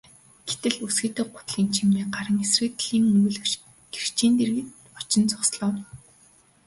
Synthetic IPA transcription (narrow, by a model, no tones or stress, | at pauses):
ɡ̥et̪ɘ̆ɮusɡiːt̪ĕɢʊ̥t̪ɮiːnt͡ɕʰimeːɢaɾə̆ŋesrɘ̆t̪ɮiːŋɵjɮɵ̆wt͡ɕ | ɡ̥er̥t͡ɕiːnt̪erɣɘ̆t̪ | ɔt͡ɕɪ̆nt͡sʊ̥sɮɔ̆ːw